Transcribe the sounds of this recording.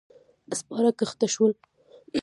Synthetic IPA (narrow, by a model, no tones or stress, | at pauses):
əspɑɾakaxt̪aʃwəl